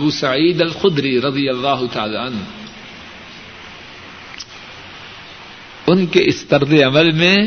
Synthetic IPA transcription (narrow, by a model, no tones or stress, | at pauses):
buːsɐʕiːd̪ɐlxʊd̪ɾiɾɐd̪ijɐlːaːɦʊt̪aaːlaːɐn | ʊnkeʔɪst̪ɐɾd̪eɐməlmẽ